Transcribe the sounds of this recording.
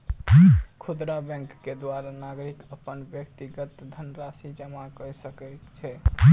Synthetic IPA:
kʰud̪ɾabɛ̃ŋkːed̪waɾanaɡɾikəpənbjək̚t̪iɡət̪d̪ʱənɾasid͡ʒəmakəjsəkɛt̪t͡ʃʰɛ

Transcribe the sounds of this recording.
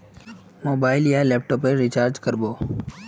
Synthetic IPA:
moːbaːɪljaːleːp̚ʈoːpeːɾit͡ʃaːɾd͡ʒkəɾboː

